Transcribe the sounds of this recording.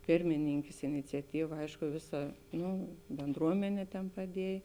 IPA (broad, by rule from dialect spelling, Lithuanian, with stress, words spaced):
ˈpʲɪrʲmʲɪnʲɪŋʲkʲɛs ɪnʲɪt͡sʲɛˈtʲiːʋɐ ˈɐɪʃkʊ ˈʋʲɪˌsɐ ˈnʊ bʲɛnˈdruɔmʲɛnʲeː tʲɛn pɐˈdʲiɛj